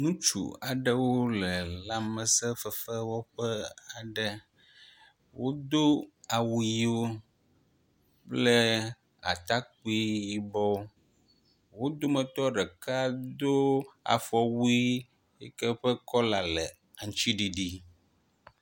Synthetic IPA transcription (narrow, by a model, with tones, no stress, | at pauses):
nũ˦t͡ʃṵ˨a˨ɖə˦wo˦lə˨la˦mə˨sɛ˦fə˨fə˦wɔ˦ɸə˦a˨ɖə˦ | wo˦d̪o˦a˨wu˨˦ji˦o˦ | plɛ˦ | a̰˨t̪a˦k͡pi˦ji˨bɔ˦ | wo˦d̪o˦mə̃˨t̪ɔ˦ɖɛ˨ka˦d̪o˦a̰˨fɔ˨wu˦i˦ | jɛ˦kɛ˦ɸə˦kɔ˦la˨lɛ˨ | a˨ŋ̃˨t͡ʃi˦ɖi˨ɖi˦